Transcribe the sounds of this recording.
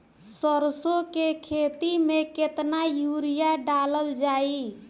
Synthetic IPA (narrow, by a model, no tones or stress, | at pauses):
səɾsokekʰet̪imeket̪najuɾijaɖaləld͡ʒai